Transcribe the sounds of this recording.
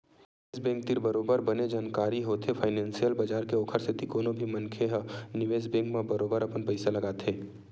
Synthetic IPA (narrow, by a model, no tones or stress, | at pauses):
nezbẽːŋk̚t̪ɪɾbəɾoːbəɾbəned͡ʒaːnkaːɾiɦoːt̪ʰepʰaːɪnɛ̃ːnsijəlbad͡ʒaːɾkeoːkʰəɾsʰet̪ikoːnobʱimənkʰeɦnɪʋeːzbẽːŋkmãbəɾoːbəɾɐpənpəɪsalɐɡaːt̪ʰeː